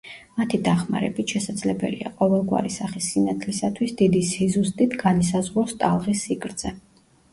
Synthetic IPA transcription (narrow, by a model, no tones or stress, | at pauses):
mat̪ʰid̪aχma̰ɾɛ̰bit̪ʰʃɛsad̪zlɛbɛ̰lḭa̰qʼɔvɛlˠɡwa̰ɾisaχisːinat̪ʰlisat̪ʰwisd̪id̪ishizust̪ʼit̪ʰɡanis̬azʁɾɔst̪ʼalˠʁisːiɡɾd̪z̥ɛ